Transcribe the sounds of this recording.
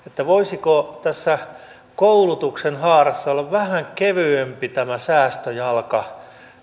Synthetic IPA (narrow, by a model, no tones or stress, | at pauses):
et̪ːæʋoisikot̪æsːæ | koulut̪uksenhɑːrɑsːɑolːɑʋʋæhæŋkeʋyempit̪æmæsæːst̪øjɑlkɑ